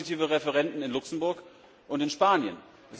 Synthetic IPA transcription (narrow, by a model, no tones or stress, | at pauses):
itiːvəʁɛfəʁɛntn̩ɪnlʊksn̩bʊɐk | ʔʊntɪnʃpaːnjə̰n | ʔɛs